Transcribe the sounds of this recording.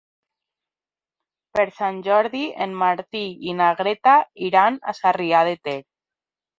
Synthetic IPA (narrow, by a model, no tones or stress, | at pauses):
peɾsanʲd͡ʒɔɾðiḛnmaɾt̪iinaɣɾet̪aiɾana̰sariað̞et̪eɾ